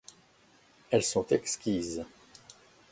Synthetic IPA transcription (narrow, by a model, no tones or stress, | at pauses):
ɛlsɔ̃t̪ɛkskʲiz